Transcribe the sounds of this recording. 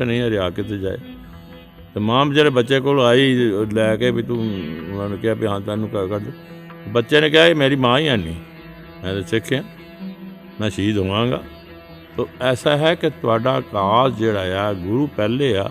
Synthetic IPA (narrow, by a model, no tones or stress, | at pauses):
nəĩːɛːɾɪaːket̪eːd͡ʒa̰ːḛː | t̪eːmãːbd͡ʒɛːleːbətːʃeːkoːlaːiːlɛːkeːbiːt̪ũʊnãːnẽːkɪɦaːpiːɦãːt̪aːnũːkəkəɾd̪oː | t̪ːbətːʃãːneːkɪaːkemeːɾiːmãːiːaːniː | mɛ̃ːt̪esɪkʰːeãː | mɛ̃ːʃiːd̪ɦoːʋãːɡa̰ː | t̪oːɛːsaːɦɛːket̪ʊaːɖaːkaːsd͡ʒeːɽaːjaːɡʊɾuːpɛːleːa̰ː